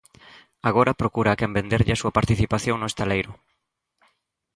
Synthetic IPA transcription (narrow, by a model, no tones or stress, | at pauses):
aɣ̞oɾɐpɾokuɾaːkɛmbend̪eɾʎɪasuɐpaɾt̪iθipaθjoŋnʊest̪alejɾʊ